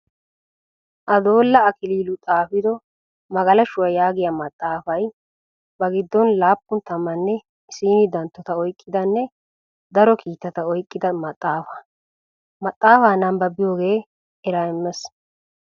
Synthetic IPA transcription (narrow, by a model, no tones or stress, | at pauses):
ʔɐd̪o̞ːlːɐɐkɪliːlʊt̪ʼaːfɪd̪ɔ | mɐɡɐlɐʃʊwɐjaːɡɪjamɐt̪ʼːaːfɐj | bɐɡɪd̪ːɔnlaːpːʊnt̪ɐmːɐnːɛ | ɪsiːnɪd̪ɐnt̪ːɔt̪ɐɔjkʼːɪd̪ɐnːɛ | d̪ɐɾɔkʰiːt̪ːɐt̪ɐɔjkʼːɪd̪ɐmɐt̪ʼːaːfɐ̥ | mɐt̪ʼːaːfaːnɐmbɐbɪjoːɡe̞ː | ɛɾaɪmːɛs